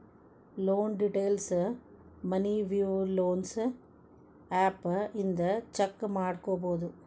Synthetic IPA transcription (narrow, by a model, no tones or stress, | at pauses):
loːnɖiʈejls | mɐniʋjuloːns | aːpɪnd̪ɐt͡ʃɐkːmaːɽkoːboːd̪u